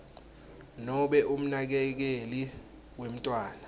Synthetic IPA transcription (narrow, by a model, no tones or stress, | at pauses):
nɔɓɛʔum̩nak̬ɛk̬eli | wem̩tʼwaːna